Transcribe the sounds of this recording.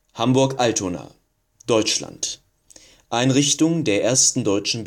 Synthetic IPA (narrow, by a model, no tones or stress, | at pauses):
hambʊɐkʔaltʰona̰ː | d̥ɔʏt͡ʃla̰nt | ʔaɪnʁɪçtʊŋdeːɐʔeːɐstn̩dɔʏt͡ʃn̩b